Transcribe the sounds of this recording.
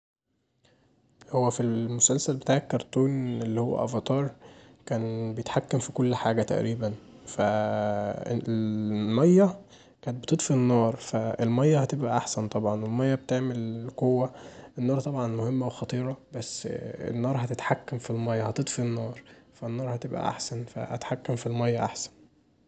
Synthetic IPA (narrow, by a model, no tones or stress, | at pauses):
howːæfilmosælsælbe̥t̪aːʕʕekːɑɾˤt̪ˤuːnelːihowːæ̰ʔæ̰vɑt̪ˤɑːɾˤkæːnbejet̪ħakːæmfikolːħaːɡæt̪æ̰ʔɾiːbænfæ | mɑjːæ | kæːnet̪̚bet̪et̪ˤfinːɑːɾˤfæelmæjːæhæt̪ebʔæʔaħsænt̪ˤɑbʕɑnwelmæjːæbet̪eʕmelkowːæʔenːɑːɾˤt̪ˤɑbʕɑnmohemːæwexɑt̪ˤiːɾˤɑbæsːḛnːɑːɾˤɦæt̪et̪ħakːæmfilmɑjːɑhæt̪et̪ˤfinːɑːɾˤfænːɑːɾˤhæt̪ebʔæ̰ʔa̰ħsænfæ̰ʔæ̰t̪ħakːæmfilmɑjːæʔa̰ħsæ̥n